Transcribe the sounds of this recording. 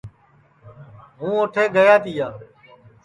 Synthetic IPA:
ɦũːoːʈʰeːɡəjãːt̪iːjaː

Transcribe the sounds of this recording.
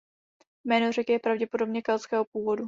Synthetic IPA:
mɛːnor̝ɛkjɛpɾavɟɛpodo̞bɲɛkɛlskɛːɦopuːvo̞du

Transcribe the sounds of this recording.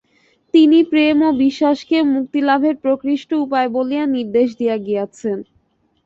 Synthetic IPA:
t̪inipɾemobiʃːaʃkemuk̚t̪ilabʱeɾpɾokɾiʃʈoupaebolijaniɾd̪eʃ̬d̪ijaɡijat͡ɕʰen

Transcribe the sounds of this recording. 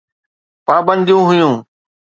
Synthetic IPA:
paːbə̃nd̪ijũːɦʊjũː

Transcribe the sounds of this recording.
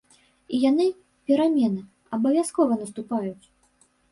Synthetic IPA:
ijanɨ | pʲɛɾamʲɛnɨ | ɐbɐvʲaskɔvɐnɐst̪upajut͡sʲ

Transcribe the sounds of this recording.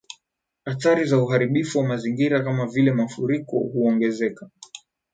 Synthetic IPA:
hataɾizauɦaɾiɓifuwamaziŋɡiɾakamavilɛmafuɾikɔ̰huɔŋɡɛzɛka

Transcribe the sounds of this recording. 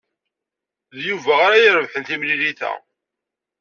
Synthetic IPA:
ðjuvæʁaɾajəɾəvħənθimliɾiθæ̰

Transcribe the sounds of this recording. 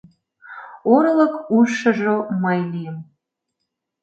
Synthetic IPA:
oɾɤləkuʃə̆ʒoməjlijəm

